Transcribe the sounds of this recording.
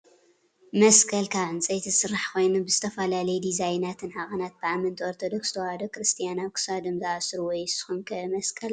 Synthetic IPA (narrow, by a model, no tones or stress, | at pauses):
mɐskʰɐlkʰaβɨnt͡sʼɐjt̪ʰɨsɨɾːaħkʰo̞jnubɨzɨt̪ʰɐfɐlalɐjɛd̪izajnat̪ʰɨnħaɣʼɐnat̪̚b̥ɨʕamɨnt̪ʰioɾt̪ʰod̪okst̪ʰɐwad̪okɾɨst̪ʰijanaβkʰɨ̥sad̪ɨmzaasɾuwɔjsɨ̥xunkʰɐmɐskʰʼɐl